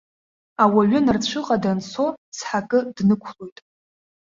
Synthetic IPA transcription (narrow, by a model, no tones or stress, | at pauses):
awaɥɪnart͡ɕʷʰɨqʼadansʰo̞sħakʼɨdnɨkʷʰlo̞jtʼ